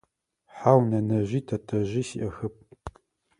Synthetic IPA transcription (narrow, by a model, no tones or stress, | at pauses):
ħaːwnɐnɐʑiːtʰɐtʰɐʑiːsḭʔɐxɨp̚